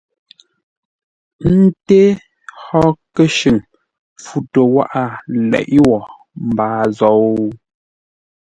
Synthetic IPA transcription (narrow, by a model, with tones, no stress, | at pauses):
n̩˦te˦ | hɔ˦kə˦ʃʉ˨ŋ | fu˦to˨wa̰˦ʔa˦˨lɛ̰˨ʔi˦wɔ˨ | m̩˨baː˨˦zɔ˨˦